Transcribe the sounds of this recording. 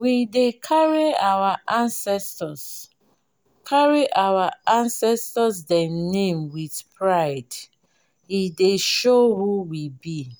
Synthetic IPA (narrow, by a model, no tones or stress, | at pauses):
widekʰaɹiawaʔãnsɛstɔs | kʰaɹiʔawaãnsɛstɔs̬dɛnẽmwiθpʰɹaɪd | hideʃohuwibi